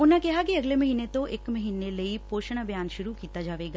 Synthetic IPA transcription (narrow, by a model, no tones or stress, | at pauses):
ʊnə̃kɪɦakiɐɡlemɐɦiːnet̪oʔɪkmɐɦiːnelɐipoːʃəɽ̃əbʱjaːnʃʊɾukiːt̪ad͡ʒaːʋeɡaː